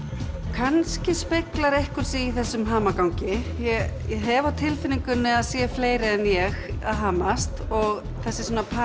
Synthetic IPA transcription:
kʰanscɪspeklaɾejhkʏɾ̥siiθɛsːʏmɦaːmakawŋcɪjɛjɛɦɛvawt̪ʰɪlfɪnːiŋkʏnːɪaðsjɛfleːjɾɪɛnjɛɣaðɦaːmast̪ɔɣ | θɛsːɪsoːnapʰa

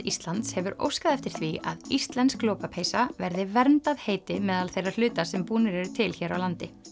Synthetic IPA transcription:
ist̪lant̪shɛvʏɾo̰wskaðɛft̪ɪɾ̥θviaðist̪lɛnskloːwpapʰeːjsavɛɾðɪvɛɾmt̪aðheːjt̪ɪmɛːðalθejraɾl̥ʏːt̪asɛmpuːnɪɾɛɾʏt̪ʰɪlçɛːɾawlant̪ɪ

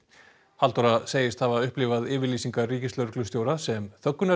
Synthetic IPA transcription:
halt̪ɔɾaseːjɪst̪havaʏhplɪvaðɪːvɪɾliːsiŋkariːcɪst̪œɾklʏst̪joːwɾasɛmθœkːʏna

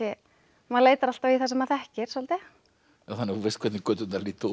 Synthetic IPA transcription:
ɛ | maleːjt̪aɾal̥t̪aviθasɛmaθɛhcɪɾ̥sɔlt̪ɪ | aθanːɪuvest̪kʰvɛt̪nɪkœːt̪ʏnaliːt̪

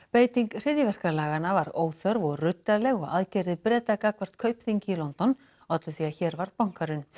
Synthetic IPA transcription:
peːjt̪iŋkr̥ɪðjɪvɛr̥kalaːɣanavaɾoːwθœɾvɔɣrʏt̪ːalɛɣɔɣaðcɛɾðɪpɾɛːt̪akakvar̥t̪kʰœːɥpθiɲcɪːlɔnt̪ɔn | awat̪lɪθiːaçɛːɾvaɾðpawŋ̥kaɾʏn

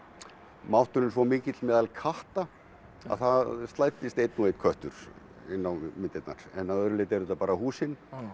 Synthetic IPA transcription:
mawht̪ʏɾɪnsvɔmɪːcɪt̪lmɛːðalkʰaht̪a | a̰ðθaðst̪lajt̪ɪst̪ejt̪nuejt̪kʰœht̪ʏ̰ɾ̥ | ɪnːawmɪnt̪ɪt̪na̰ɾ̥ɛ̰nːaðœɾʏleːt̪ɛɾʏt̪apaːɾahuːsɪn

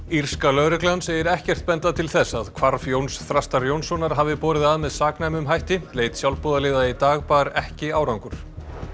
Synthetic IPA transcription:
ir̥skalœːɾʏklansejɪɾɛhcɛr̥t̪̚pɛnt̪aðt̪ʰɪlθɛsːaðkʰvaɾfjownsθɾast̪aɾjownsɔnaɾ̥ɦaːvɪpɔːɾɪðaðmɛðsaːknajmʏmɦajht̪ɪleːjt̪sjawlpɔːðalɪːðait̪aːɣpaɾɛhcɪaːwɾawŋkʏɾ̥

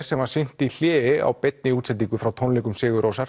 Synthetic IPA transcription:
ɾ̥sɛmvaɾ̥sɪn̥t̪iljɛːɪa̰wpɛt̪̚nɪuːt̪sɛt̪̬ːiŋkʏfɾawt̪ʰɔnlekʏmsɪːɣʏɾʔowsaɾ̥

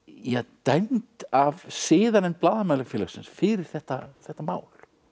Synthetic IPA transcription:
jɛɣt̪ajnt̪avsɪːðanɛnplaːðamaːlaɣfjɛːlasɪnsfɪɾɪɾ̥θɛht̪aθɛht̪ːamaːwl

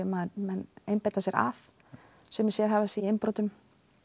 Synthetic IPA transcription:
ɛmaðmɛnempajt̪asjɛɾa̰θ | sɛmsjɛɾ̥ɦavasiɪmpɾoːt̪ʏm

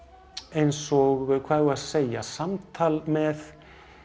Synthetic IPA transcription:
ejnsɔɣkʰvaːðvʏɾaðseːjasamt̪ʰaːlmɛð

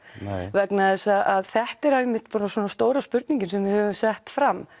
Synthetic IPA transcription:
vɛknaðɛsaðʔaðθɛht̪ɛɾɛmɪht̪pɔɾnaswɔːnast̪oːwɾaspʏɾt̪niɲcɪnsɛmvɪhœvʏmsɛht̪fɾam

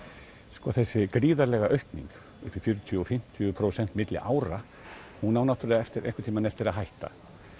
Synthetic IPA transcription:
skɔθɛsːɪkɾiːðaɾlɛːɣaʔœɥhpnḭŋk | ʏhpɪɾfjʏɾʏt̪ʰjʏɔfɪm̥t̪ʰʏʏpʰɾowsɛnt̪mɪt̪lɪ̰ʔaːwɾa | hunawnaht̪ʏɾlɪaɛft̪ɪɾʔḛjhŋkɪ̥t̪ʰiːmanɛft̪ɪɾaðɦajht̪a̰

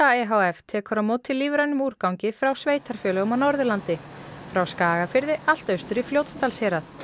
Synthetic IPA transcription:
aɛɦawɛft̪ʰɛːkʏɾamoːt̪ʰːɪlːiːvɾanʏmuːɾ̥kawŋcɪfɾawsveːjt̪aɾ̥fjœːlʏɣɔmanɔɾðʏlant̪ɪfɾawskaːɣafɪɾðɪal̥t̪œɥst̪ʏɾifljowt̪st̪ʰalshɛːɾaθ

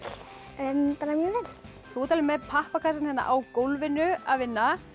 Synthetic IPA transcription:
œmpaːɾamjœːvɛːl̥ | θuːt̪alɪmːɛðpʰahpakʰasanhɛnːa̰ʔawkowlvɪnʏa̰ðvɪnːa

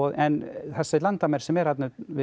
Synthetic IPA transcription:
ɔðɛnθɛsalant̪amɛɾ̥sɛmɛɾhat̪nʏvɪ

